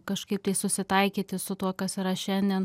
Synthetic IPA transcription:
kɐʃkɐɪp̚t̪ɐɪsʊsʲɪt̪ɐɪkʲiːt̪ʲɪsʊt̪uɔkɐsiɾɐʃʲɛnʲd̪ʲiɛn

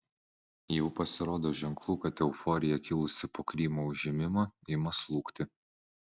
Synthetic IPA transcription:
jɛʊpɐsʲɪɾoːd̪oːʒʲɛŋklˠuːkɐt̪ʲɛʊfɔɾʲɪjɛkʲɪlˠʊsʲɪpoːkɾʲiːmoːʊʒʲɪmʲɪmɐːɪɪmɐslˠuːkt̪ʲɪ

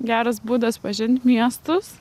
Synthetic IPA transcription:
ɡʲæːɾɐsbuːd̪ɐspɐʒʲɪnʲt̪ʲmʲiɛst̪ʊs

